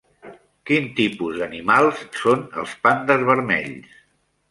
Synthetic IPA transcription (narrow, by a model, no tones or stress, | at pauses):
kint̪ipuzðənimalˠssonə̰lˠspand̪əzβəɾmɛ̰ʎs